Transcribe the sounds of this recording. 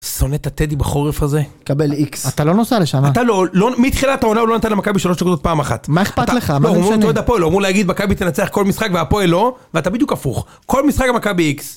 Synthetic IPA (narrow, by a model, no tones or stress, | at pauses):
so̞net̪at̪ed̪ibeχo̞ʁefaze | kabeliksat̪alo̞nosaleʃamatalolomit̪χilat̪aonaulonat̪anlemakabiʃalo̞ʃdekod̪ot̪̚paːmaχa̰t̪maeχpataleχamaomoed̪apoeloamuleaɡid̪makabit̪enat͡seaχko̞lmisχakveapoelo̞veatabid̪jukafuχ | ko̞lmisχakamakabiiks